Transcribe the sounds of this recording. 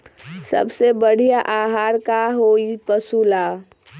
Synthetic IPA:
sə̰bsebəɽ̤ijaʔaːɦaːɾkaɦoipəsulaː

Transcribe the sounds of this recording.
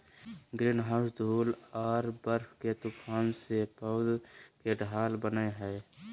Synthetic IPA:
ɡɾinɦasd̪ʱuːlɔːɾbəɾpʰket̪upʰaːnsepəd̪keɖʱaːlbənəeɦɛː

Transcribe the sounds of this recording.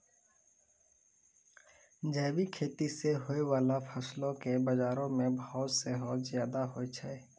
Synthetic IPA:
d͡ʒɛːbikʰeːt̪iseɦoːewaːlafʰəslõkebɐd͡ʒaːɾõmẽbəɦʊt̪seɦɔːt̪zjaːd̪aɦoet͡ʃʰɛ

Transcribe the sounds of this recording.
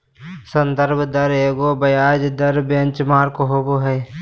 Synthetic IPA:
sə̃nd̪əɾbd̪əɾeːɡoːbɐjaːd͡ʒd̪əɾbjɐnt͡ʃmaːɾkɦoboɦɛː

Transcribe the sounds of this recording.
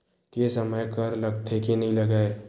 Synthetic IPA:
kesɐməjkɐɾlɐɡt̪ʰekenɐɦĩlɐɡaːe

